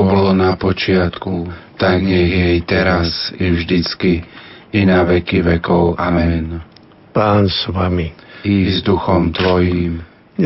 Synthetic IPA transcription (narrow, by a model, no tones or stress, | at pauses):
bɔlɔnapɔt͡ʃɪat̪kut̪aɡɲɛɣjɛjt̪ɛɾasiʊʒd̪it͡skiinaʋɛkiʋɛkɔʊʔamɛn | paːnsʋamiizd̪uxɔmt̪ʋɔjiːm